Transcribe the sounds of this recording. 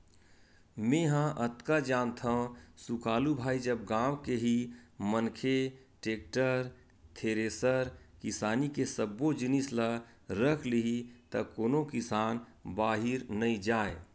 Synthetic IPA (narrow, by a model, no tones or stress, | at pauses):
mẽɦãʔət̪kad͡ʒaːnt̪ʰəsukaːlubʱaːid͡ʒəb̚ɡãːwkeɦimənkʰe | ʈeːk̚ʈəɾ | t̪ʰeɾesəɾkisaːnikesəbːod͡ʒinisla | ɾəkʰliɦit̪əkoːnokisaːnbaːɦiɾnəid͡ʒaːe